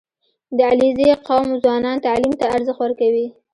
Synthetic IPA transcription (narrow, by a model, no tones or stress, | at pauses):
d̪əalizeqɑmozwɑnɑnt̪alimt̪aːɾzəxtwəɾkawi